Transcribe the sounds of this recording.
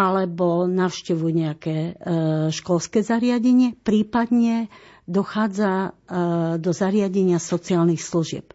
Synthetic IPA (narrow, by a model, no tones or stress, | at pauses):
alɛbɔnaʊʃcɛʋuɲɛakɛː | ʃkɔlskɛzaɾɪaɟɛɲɪɛpɾiːpad̪ɲɛ | d̪ɔxaːd͡za | d̪ɔzaɾɪaɟɛɲɪasɔt͡siaːlnixsluʒɪɛ̰p̚